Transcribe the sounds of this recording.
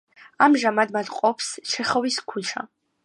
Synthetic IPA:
amʒamad̪mad̪qʼɔpʰst͡ʃʰɛχɔviskʰut͡ʃʰa̰

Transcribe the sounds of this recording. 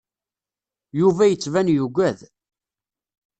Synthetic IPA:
juvæjət͡sːvænjuɡʷæð

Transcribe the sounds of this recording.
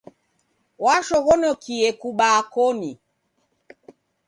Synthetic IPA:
waʃɔɣɔnɔkiɛkuɓakɔni

